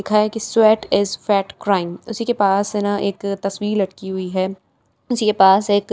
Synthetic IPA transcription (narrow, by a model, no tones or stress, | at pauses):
ɪkʰaɛkiswɛːʈɪzfɛːʈkɾaːɪ̃mʊsikepaːsɪnaʔeːkt̪ɐswiːɾlɐʈkiɦʊiɦɛː | ʊsikepaːseːk